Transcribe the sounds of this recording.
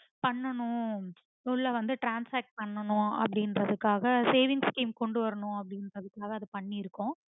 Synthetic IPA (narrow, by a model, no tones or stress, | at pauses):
pɐɳːɐnʊ̃ | t̪ulːaːʋɐnd̪ɯʈɾaːnsaːk̚ʈ̚pɐɳːɐnʊ̃ɐ̰p̬ːɐɽɪnɾɐðɯkːaːɣɐseːʋɪŋɡskiːmkɔɳɖɯʋɐɾɐnʊ̃ɐp̬ːɐɽɪnɾɐðɯkːaːɣɐːðɯpɐɳːiɪɾɯkːʊ̃